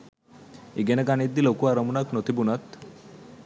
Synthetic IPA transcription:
iɡenəkanid̪ilokuaɾəmunaknot̪ibunat̪

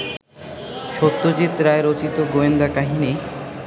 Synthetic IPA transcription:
ʃot̪ːod͡ʑit̪ɾaeɾot͡ɕit̪oɡoend̪akaɦine

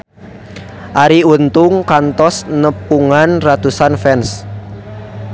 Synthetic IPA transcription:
ʔaɾiunt̪ʊŋkant̪ɔsnəpuŋanrat̪usanfɛns

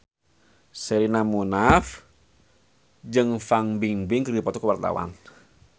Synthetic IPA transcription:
sɛɾinamunaf | d͡ʒɨŋfaŋbiŋbɪŋkərdipɔt̪ɔkəwart̪a̰wa̰n

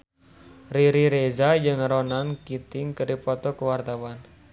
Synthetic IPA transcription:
riɾiɾezad͡ʒɨŋɾonankit̪ɪŋkəɾipɔt̪ɔkəwart̪awan

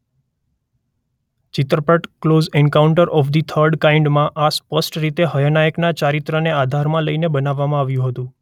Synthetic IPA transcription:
t͡ʃɪt̪ɾəpəʈklozɛnkauɳʈəɾʔɔfd̪it̪ʰəɾɖkaiɳɖmãʔaspəsʈɾit̪eɦəjənajəknat͡ʃaɾit̪ɾənead̪ʱaɾmãləinebənaʋːamãaʋjũɦət̪ũ

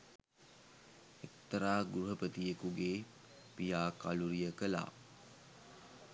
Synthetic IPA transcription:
ekt̪əɾaːɡɾuɦəpət̪ijekuɡeː | pijaːkaluɾijəkəla̰ː

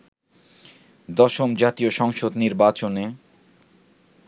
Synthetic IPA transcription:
d̪ɔʃomd͡ʑat̪ioʃɔŋʃod̪niɾbat͡ɕone

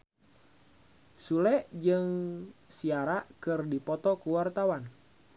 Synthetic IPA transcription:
sulɛʔd͡ʒɨŋsiaɾakɨrdipɔt̪ɔkuwart̪awan

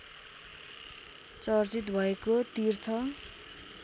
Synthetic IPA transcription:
t͡sʌrt͡sit̪bʱʌekot̪irt̪ʰʌ

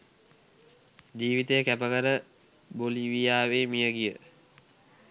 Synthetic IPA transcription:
d͡ʒiːʋit̪əjəkæpəɡəɾə | boliʋijaːʋeːmijəɡijə

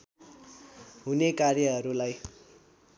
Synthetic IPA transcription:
ɦunekarjʌɦʌɾulaj

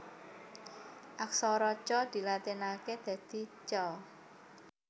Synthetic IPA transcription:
ʔaksɔɾɔt͡ʃɔd̪̥i̤lat̪inaked̪̥ä̤d̪̥i̤t͡ʃɔ

